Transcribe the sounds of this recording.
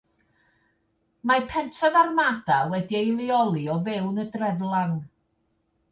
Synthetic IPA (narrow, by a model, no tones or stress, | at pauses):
mapʰɛntʰɔðarmad̥awɛdiejlˠɪɔlˠiɔvɛwnədrɛðlˠaŋ